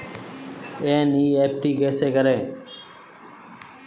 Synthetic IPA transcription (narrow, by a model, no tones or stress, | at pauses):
ẽːniːeːp̚ʈiːɡɛːseːkəɾẽː